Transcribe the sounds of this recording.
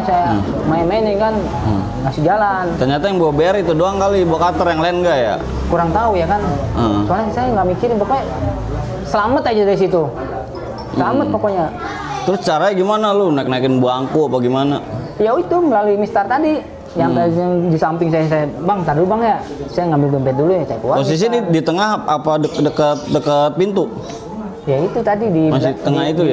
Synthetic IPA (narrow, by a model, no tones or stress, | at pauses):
saja | maɛmaniŋkan | ŋasid͡ʒalant̪ərɲat̪ajaŋbuabeaɾit̪udoaŋkalibuakat̪ərjaŋlanɡaja̰ | kuɾaŋt̪aujakansolasajaŋɡamikiɾɪnpokoɲa | səlamət̪ad͡ʒadaɾis̬it̪u | səlamət̪̚pokoɲa | t̪ɾʊst͡ʃaɾaɡimanalonaknaikɪnbuaaŋkuapaɡimana | jaoit̪uməlaluimist̪art̪adi | jaŋt̪aiaŋdisampɪŋsajas̬ajabaŋt̪adubaŋja | sajaŋambɪldumpɛt̪̚dulujasajakuwapos̬is̬ididit̪əŋaɦapadəkdəkət̪̚dəkət̪̚pint̪u | jait̪ut̪adidimas̬t̪əŋaɦit̪uja